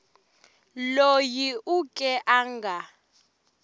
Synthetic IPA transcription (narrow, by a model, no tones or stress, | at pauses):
lojiukʼɛʔaːŋɡʱa